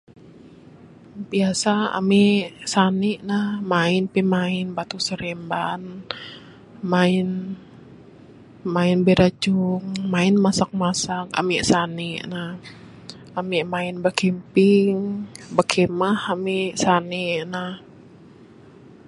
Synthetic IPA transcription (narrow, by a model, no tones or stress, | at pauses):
biasaa̰miʔsaniʔnahmaɪnpimaɪnbat̪usəɾɛmban | maɪn | maɪnbɛɾad͡ʒuŋmaɪnmasak̚masaka̰miʔsaniʔnah | amiʔmaɪnbakɛmpiŋbakʰɛmahamiʔsaniʔnah